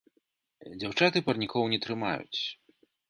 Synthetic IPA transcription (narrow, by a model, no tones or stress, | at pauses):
d͡zʲawt͡ʂat̪ɨpɐrnʲikɔwnʲɛt̪ɾɨma̰jṵt͡sʲ